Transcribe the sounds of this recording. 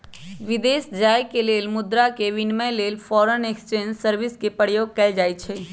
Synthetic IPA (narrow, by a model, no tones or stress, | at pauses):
ʋid̪esd͡ʒajkelelmʊd̪ɾakeʋinməjlelpʰɔːɾənekst͡ʃẽnd͡ʒsəɾʋiskepəɽjoɡ̚kɛld͡ʒajt͡ʃʰɛ